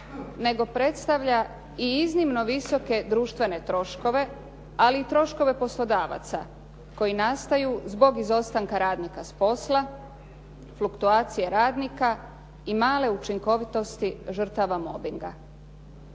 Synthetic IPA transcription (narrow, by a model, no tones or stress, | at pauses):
ne̞ɡo̞pɾe̞t̪st̪aʋʎa | iiznimno̞ʋiso̞ke̞d̪ɾuːʃt̪ʋe̞ne̞t̪ɾo̞ʃko̞ʋe̞ | aliːt̪ɾo̞ʃko̞ʋe̞po̞slˠo̞d̪aːʋa̰t̪sa̰ | ko̞jinast̪ajuzbo̞ɡizo̞st̪aŋkaɾaːd̪nikaspo̞slˠa | flukt̪uaːt̪sijeɾaːd̪nika | imaːle̞ut͡ʃiŋko̞ʋit̪o̞st̪iʒr̩t̪aʋamo̞biŋɡa̰